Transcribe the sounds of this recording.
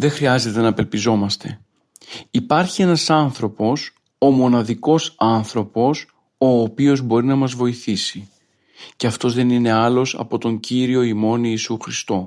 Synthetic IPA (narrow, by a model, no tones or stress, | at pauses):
ðexɾiɐze̞t̪e̞nɐpe̞lpizo̞mɐst̪e̞ | ipɐɾçie̞nɐsɐnθɾo̞po̞s | o̞mo̞nɐðiko̞sɐnθɾo̞po̞s | o̞ːpio̞zbo̞ɾinɐmɐzvo̞iθisi | ce̞ɐft̪o̞zðe̞nine̞ɐlo̞sɐ̰po̞t̪o̞ɲɟiɾio̞imo̞niːsuxɾist̪o̞